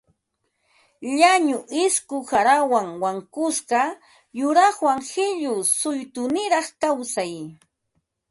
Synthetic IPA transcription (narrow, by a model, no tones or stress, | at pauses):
ʎaɲʊʔɪskʊxaɾawaŋwaŋkʊsɢɑ | jʊɾɑχwaŋhɪʎʊsʊjt̪ʊnɪɾɑχkawsaj